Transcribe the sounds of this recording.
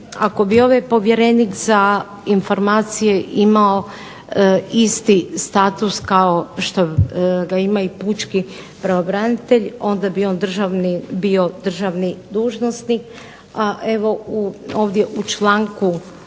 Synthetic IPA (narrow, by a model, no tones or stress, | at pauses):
ako̞bio̞ʋajpo̞ʋje̞ɾenikza | info̞ɾmaːt̪sijeʔimao | ist̪ist̪at̪uskao̞ʃt̪oɡaimaiput͡ʃki | pɾaʋobɾanit̪e̞ʎo̞nd̪abio̞ːnd̪r̩ʒaʋnibio̞d̪r̩ʒaʋnid̪uːʒno̞snik | aʔeʋo̞uoːʋd̪je̞ʔut͡ʃlˠaːŋku